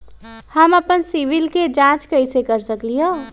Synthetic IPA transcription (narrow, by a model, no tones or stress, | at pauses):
həməpənsiʋilked͡ʒãt͡ʃkəjt͡ʃʰekəɾsəkliɦo